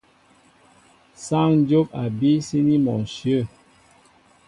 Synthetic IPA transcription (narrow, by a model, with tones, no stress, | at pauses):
sa˦˨ŋn˦d͡ʒo˦pa˨bi˦si˦ni˦mɔ˨nsjə˦˨